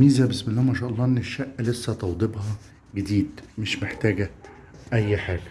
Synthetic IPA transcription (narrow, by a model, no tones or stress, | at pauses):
iːzæbesmelːæːmæʃæːʔɑlˤːɑːʔenːeʃːæʔːlesːæt̪ɑwd̪ˤebhɑ | ɡed̪iːd̪meʃmeħt̪æːɡæ | ʔæjːħaːɡæ